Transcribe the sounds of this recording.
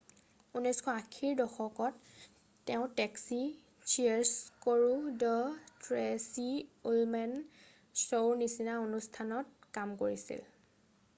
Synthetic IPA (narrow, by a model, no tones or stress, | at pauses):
unɔjskʰɔakʰiɹdɔxɔkɔtː | ɛʊ̃tɛksi | t͡ʃiɛɹskoɹudɔtɹɛsiulmɛn | sonisinaonustʰanɔt̚kamkoɹisḭl